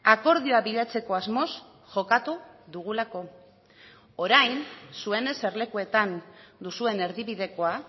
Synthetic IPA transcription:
ako̞ɾð̞ioaβiʎat͡se̞ko̞azmo̞s | ʝo̞kat̪u | ðuɣ̞ulako̞ | oɾajnsue̞ne̞se̞ɾle̞kue̞t̪and̪usue̞ne̞ɾðiβiðe̞ko̞a

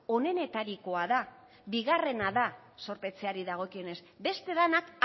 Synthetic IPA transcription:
o̞ne̞ne̞t̪aɾiko̞aða | βiɣare̞naða | so̞ɾpe̞t͡seaɾiðaɣ̞o̞kio̞ne̞sbe̞st̪e̞ðanak

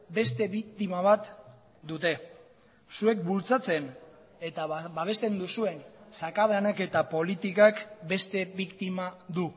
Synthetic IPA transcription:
be̞st̪e̞βik̚t̪imaβat̪ | d̪ut̪e̞ | sue̞k̚bult͡sat͡se̞n | e̞t̪abaβ̞e̞st̪e̞nd̪usue̞nsakaðanake̞t̪apo̞lit̪ikakbe̞st̪e̞βikt̪imaðu

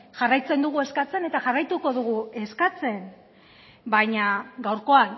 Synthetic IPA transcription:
ʝarajt͡se̞nd̪uɣ̞ue̞skat͡se̞ne̞t̪aʝarajt̪uko̞ðuɣ̞ue̞skat͡se̞n | bajɲaɡawɾko̞an

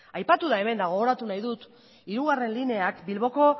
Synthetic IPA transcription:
ajpat̪uðae̞me̞nd̪aɣ̞o̞ɣo̞ɾat̪unajðut̪ | iɾuɣare̞nline̞akbilβo̞ko̞

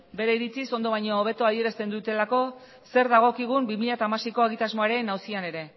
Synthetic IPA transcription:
be̞ɾe̞iɾit͡siso̞nd̪o̞βaɲoːβ̞e̞t̪oað̞ie̞ɾast̪e̞nd̪ut̪e̞lako̞ | se̞ɾðaɣ̞o̞kiɣ̞umbimiʎat̪amasejko̞aɣit̪azmo̞aɾe̞nawsiane̞ɾe̞

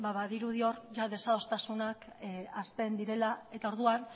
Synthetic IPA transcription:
baβaðiɾuðio̞rʝaðe̞sao̞st̪asunakast̪e̞nd̪iɾe̞lae̞t̪ao̞ɾðuan

